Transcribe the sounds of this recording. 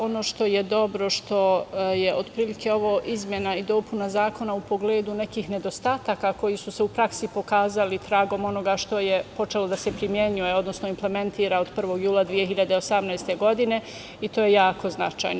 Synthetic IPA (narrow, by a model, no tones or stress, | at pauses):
o̞no̞ʃt̪o̞je̞d̪o̞bɾo̞ʃt̪o̞jeʔo̞d̪pɾiːlike̞o̞ʋoʔizmjenaid̪o̞ːpunazaːko̞naupo̞ɡleːd̪une̞kiːxne̞d̪o̞st̪aːt̪akako̞jisuseupɾaksipo̞kaːzalit̪ɾaːɡo̞mo̞no̞ɡaʃt̪o̞jepo̞t͡ʃe̞lo̞d̪asepɾimje̞ɲujeo̞d̪nosno̞imple̞me̞nt̪iːɾaod̪pr̩ʋo̞ɡjuːlˠad̪ʋije̞ɦiʎad̪eo̞samnajst̪e̞ɡo̞d̪ine̞ | it̪oːjejaːko̞znat͡ʃa̰jno